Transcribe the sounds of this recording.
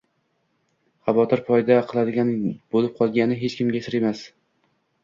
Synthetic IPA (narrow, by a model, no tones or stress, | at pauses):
χɑvɒt̪ʰɪɾpʰɒjd̪aqʰɨlˠad̪ɪɡʲanbolɪp̚qʰɒlˠɡʲanɪɦet͡ʃkʲʰɪmɡʲasɪɾemas